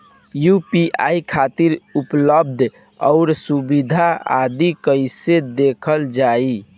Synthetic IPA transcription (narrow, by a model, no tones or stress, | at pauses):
jupiʔa̰ikʰat̪iɾupləb̚d̪ʱ | ɔ̰ʊɾsubid̪ʱaa̰d̪ikəjsed̪ekʰəld͡ʒai